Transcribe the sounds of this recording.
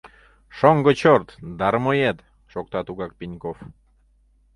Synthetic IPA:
ʃoŋɡot͡ɕort̪d̪ɑɾmojet̪ | ʃok̚t̪ɑt̪uɣɑk̚pinʲkof

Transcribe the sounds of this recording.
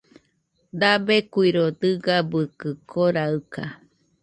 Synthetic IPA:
d̪abekuiɾod̪ɨɡabɨkɨkʰoɾaɨka̰

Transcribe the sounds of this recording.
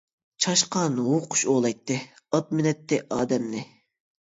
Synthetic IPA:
t͡ʃʰɑʃqɑnwoqʰʊ̥ʃoːlˠɑjt̪ːɨ | ɑt̪̚mɪnɛt̪ːɪʔɑːd̪ɛmnɪ

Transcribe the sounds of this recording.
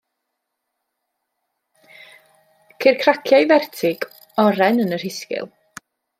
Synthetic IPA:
kʰɪrkʰrakʰjajvɛrtʰɪɡ | ɔɾɛnənər̥hɪskɪ̰lˠ

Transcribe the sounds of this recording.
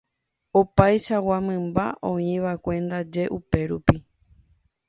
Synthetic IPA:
opajʃawamɨ̃mba̰ʔõĩʋakʷẽ̞nd̪ad͡ʒe̞ʔupe̞ɾupi

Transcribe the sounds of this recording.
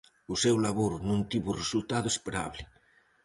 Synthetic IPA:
ʊsewlaβoɾnũnt̪iβʊresult̪aðoespeɾa̰βlɪ

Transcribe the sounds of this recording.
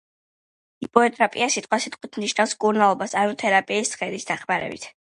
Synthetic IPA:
ipʼɔɛt̪ʼɾapʼiasit̪ʼqwasit̪ʼqʼwit̪ʰmniʃnafskʼuɾnalˠɔbasanɔt̪ʰɛɾapʼiːst̪sχɛd̪isd̪̥aχmaɾɛ̰bḭt̪ʰ

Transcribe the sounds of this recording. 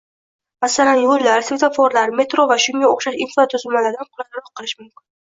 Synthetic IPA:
masalanjoɾlaɾsvet̪ʰafoɾlaɾme̞t̪ɾovaʃʊŋaoχʃaʃɪnfat̪ʰʊzɪlmalaɾd̪anqʰʊlˠaɾɒq̚qʰːɨlˠɪʃmʊmkʲɪn

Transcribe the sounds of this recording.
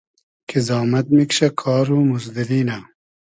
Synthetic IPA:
kʰizɑːmɐt̪̚mikɕɐkʰɑːɾuːmuzd̪iɾiːna

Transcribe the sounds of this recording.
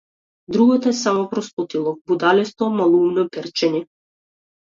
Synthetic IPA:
d̪ɾuɡɔt̪ɔɛsamɔpɾɔst̪ɔt̪ilˠɔk̚bud̪alɛst̪ɔmalˠumnɔpɛɾt͡ʃɛɲɛ

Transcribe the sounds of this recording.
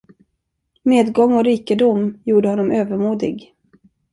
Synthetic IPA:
meːd̪ɡɔŋːɔɾiːkəd̪ʊmjuːɖəhɔnːɔmøːvəɾmuːd̪ɪ̰ɡ

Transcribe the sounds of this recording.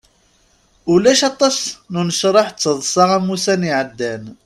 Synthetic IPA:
ʊlæʃɑt̪ˤːɑsnunəʃɾˤɑħt͡sːəðˤsˤɑʁæmusæniʕəd̪ːæn

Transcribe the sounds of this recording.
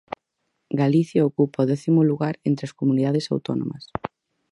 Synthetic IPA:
ɡaliθjaokupɐɔðɛθimʊluɣaɾent̪ɾɪɐskomuniðaðesa̰wt̪ɔnõ̰mɐs

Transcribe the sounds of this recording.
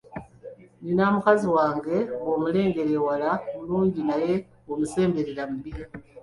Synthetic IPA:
ninamukaziwaːŋɡe̞womule̞ːŋɡe̞ɾe̞walamuluːɲɟinaje̞ | omuse̞ːmbe̞ɾeɾamuβiɾa

